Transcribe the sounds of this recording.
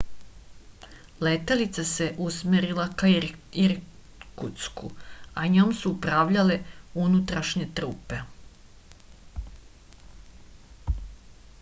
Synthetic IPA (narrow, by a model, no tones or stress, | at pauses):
let̪alit̪sase̞ʔusmeɾilakaiɾ | kut̪skṵaɲoːmsuupɾaʋʎale̞unut̪ɾaʃɲet̪ɾuːpe